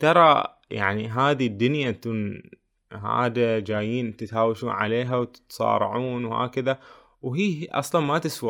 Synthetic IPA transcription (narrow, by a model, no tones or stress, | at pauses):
t̪ɑɾˤɑ | ja̰ʕniɦaːd̪id̪ːʊnjaʔnt̪uːn | ɦa̰ːd̪ad͡ʒaːjiːnt̪ɪt̪haːwaʃuːnʕa̰leːɦawt̪t̪sˤɑ̰ːɾˤɑ̰ʕuːnwha̰ːkaða | wɦiːʔɑ̰sˤlɑnmat̪ɪswa